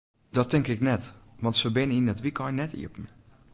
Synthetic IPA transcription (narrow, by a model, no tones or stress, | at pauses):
dɔtɪŋkɪknɛtʋɔntsəbɪnəinɛtʋikʰɔjnɛtḭəpn̩